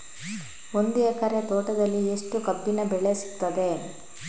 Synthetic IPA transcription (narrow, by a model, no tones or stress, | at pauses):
o̞nd̪uekɐɾet̪oːʈɐd̪ɐlːieʂʈukɐpːinɐbɛɭesi̥kt̪ːɐd̪e̞